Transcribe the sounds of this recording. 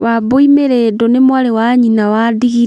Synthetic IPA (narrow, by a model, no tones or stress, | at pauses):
waboimeɾedɔnemwaɾewaɲinawadiɣi